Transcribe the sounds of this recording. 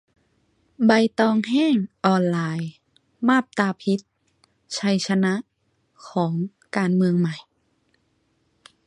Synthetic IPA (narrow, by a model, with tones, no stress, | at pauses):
ba˧jt̪ɔː˧ŋɦɛː˥˩ŋʔɔː˧˩nlaː˧j | maː˥˩p̚t̪aː˧pʰi˧˦˥t̪̚ | t͡ɕʰa˧jt͡ɕʰa˧na˧˦˥ʔ | kʰɔː˩˦ŋ | kaː˨˧nmɯ˧əŋma˨˩j